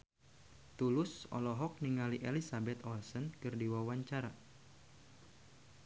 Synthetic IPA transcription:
t̪ulʊsɔ̰lɔɦɔk̚niŋaliʔelisabɛt̪ɔlsənkɨrdiwawaɲt͡ʃaɾa

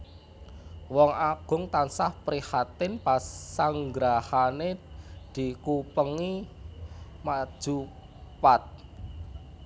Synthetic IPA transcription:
wɔŋaɡ̥ʊ̤ŋt̪ansahpɾihat̪ɪnpasaŋɡɾahaned̪̥i̤kupəŋi | mad̥ʒ̥u | pat̪̚

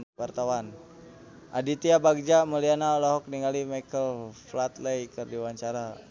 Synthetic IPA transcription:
wart̪awan | ʔadit̪iabaɡ̚d͡ʒaməlianaolɔɦɔk̚niŋalimajkəlflat̪ləjkərdiwaɲt͡ʃaɾa

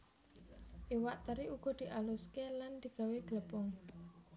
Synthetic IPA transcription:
ʔiwaʔt̪əɾiʔuɡ̥ɔ̤d̪̥i̤ʔaluskeland̪̥i̤ɡ̥a̤weɡ̥ələpʊŋ

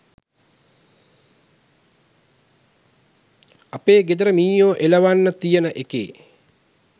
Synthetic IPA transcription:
apeːɡed̪əɾəmiːjoːʔeləʋanːət̪ijənəʔekḛː

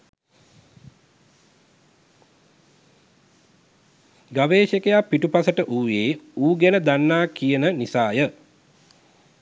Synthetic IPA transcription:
ɡaʋeːʃekejapːiʈupasəʈəʔuːjeːuːɡɛnəd̪anːaːkijənənisaːjə

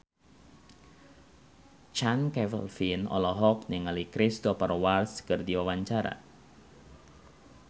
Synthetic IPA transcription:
t͡ʃankɛvə̰lfinɔ̰lɔɦɔk̚nɪŋalikɾɪst̪ɔpərwarskərdiwawaɲt͡ʃaɾa̰

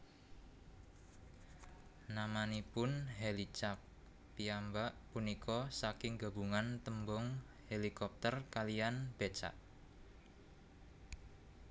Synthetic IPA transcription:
namanipʊnɦelit͡ʃap̚ | piambaʔpunikʰɔsakɪŋɡa̤buŋant̪əmbɔŋ | helikɔp̚t̪ərkalijanb̥et͡ʃa̰ʔ

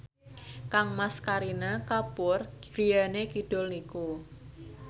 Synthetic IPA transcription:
kaŋmaskaɾinakapʊr̥ɾijanekiɖ̥ɔ̤lniku

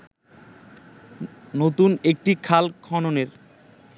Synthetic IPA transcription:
not̪unek̚ʈikʰalkʰɔnoneɾ

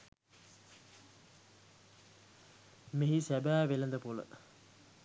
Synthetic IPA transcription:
meɦisæbæːʋelənd̪əpulə̰

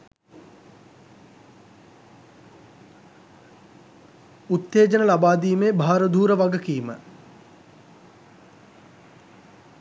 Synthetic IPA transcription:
ut̪ːeːd͡ʒənəlabaːd̪iːmeːbʱaːɾəd̪ʱuːɾəʋaɡəkiːmə̰

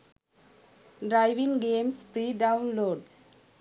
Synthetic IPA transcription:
ɖɾaɪʋɪ̃ŋɡẽːmspɾiːɖãʊ̃nloːɖ

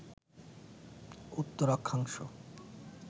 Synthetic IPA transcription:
ut̪ːoɾɔkʰːaŋʃo̰

